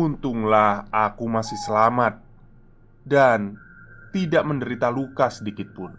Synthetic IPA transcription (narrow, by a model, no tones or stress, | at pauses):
unt̪ʊŋlahakumasɪhsəlamat̪̚ | dan | t̪idaʔməndəɾit̪alukasədikɪt̪̚pʊn